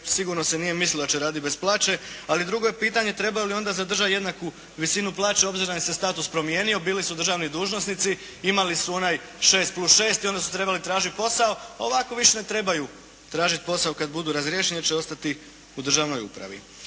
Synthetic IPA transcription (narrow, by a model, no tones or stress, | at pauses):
siɡuɾno̞senije̞mislilod̪at͡ʃeɾaːd̪it̪besplˠaːt͡ʃe̞alid̪ɾuɡo̞jepiːt̪aɲe̞t̪ɾe̞bajolio̞nd̪azad̪r̩ʒaje̞d̪naku | ʋisinuplˠaːt͡ʃeo̞bziɾonisest̪aːt̪uspɾo̞mje̞ːnio̞biːlisud̪ɾr̩ʒaːʋnid̪uːʒnosnit̪si | imalisuo̞naj | ʃe̞ːst̪̚plˠusʃe̞ːst̪io̞nd̪asu̥t̪ɾe̞balit̪ɾaːʒit̪̚po̞sao̞ao̞ʋako̞ʋiʃene̞t̪ɾe̞baju | t̪ɾaːʒit̪̚po̞saokad̪bud̪uːɾazɾjeʃenet͡ɕeo̞st̪at̪i | ud̪r̩ʒaʋno̞jṵpɾa̰ʋḭ